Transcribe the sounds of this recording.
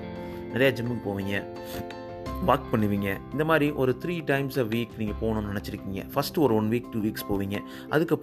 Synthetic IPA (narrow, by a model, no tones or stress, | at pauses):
nɪɾɐjad͡ʒɐmbɯŋkɯpoːʋiːŋɡɐ | baːk̚pɐɳːɯʋiːŋɡɐɪnd̪ɐmaːd̪ɾiʔɔɾɯt̪ʰɾiːʈɐɪmsaːʋiːkniːŋɡɐpoːnʊ̃nnɪnɛt͡ʃːɪɾɯkːiːŋɡɐ̰fɐsʈɔɾɯɔnʋiːk̚ʈuːʋiːkspoːʋiːŋɡɐ | ʔɐ̰ðɯkːɐpː